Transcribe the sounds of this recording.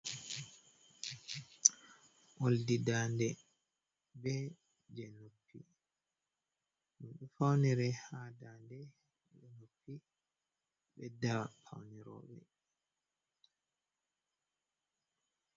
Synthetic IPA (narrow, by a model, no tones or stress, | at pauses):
ʔoldidaːndɛ | bɛ | d͡ʒɛnupːḭ | munɗufawniɾɛhadandɛ | ɓɛnopːi | ɓɛdapʰa̰wniɾɔ̰ːɓɛ̰